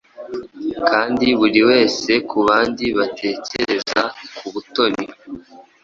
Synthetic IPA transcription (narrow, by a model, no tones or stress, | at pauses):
kaːndiβuɾiwe̞ːse̞kuβaːndiβatʰe̞ːce̞ɾe̞za̰kuβuto̞ɾi